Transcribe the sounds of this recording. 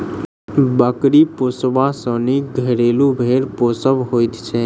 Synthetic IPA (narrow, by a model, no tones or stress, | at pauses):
bakɾiposʋãsəniɡʱəɾelũbʱeɾposəʋɦojt̪t͡ʃʰe